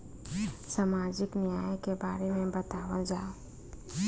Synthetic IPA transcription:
samaːd͡ʒɪknɪjaːjekebaːɾemẽbət̪aːʋəd͡ʒaːo

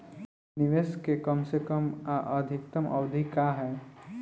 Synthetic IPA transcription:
nɪʋeskekɐmsekəmʔəd̪ʱɪk̚t̪əmʔɐ̰ʋd̪ʱikaɦɛː

